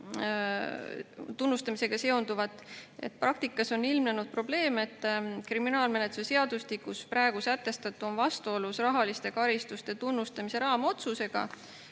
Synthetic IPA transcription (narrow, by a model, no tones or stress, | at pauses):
t̪unːust̪ɑmise̞ɡ̥ɑse̞ond̪uvɑt̪ˑːḛt̪̚prʔɑk̚t̪ikːˑɑso̞nːilmnenud̪̥̚pro̞ble̞ːme̞t̪ːˑkriminɑːlme̞net̪ːu̥sese̞ɑd̪̥ust̪ikːuspɾæeɡ̥usæt̪ːe̞st̪ɑt̪ːˑuo̞nvɑst̪uo̞lusrɑɦɑlist̪e̞kɑɾist̪ust̪e̞t̪unːust̪ɑmise̞ɾɑːmo̞t̪suse̞ɡ̥ɑ̰